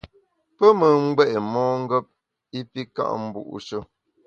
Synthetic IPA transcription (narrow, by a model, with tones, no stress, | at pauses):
pə˦mə˨ŋ͡m̩˦ɡ͡bɛ˦ʔe˨mɔː˦ŋ̩˦ɡə˦p̚ | i˦pi˦ka̰˦ʔm̩˦bṵ˦˨ʔṵ˨ʃə˦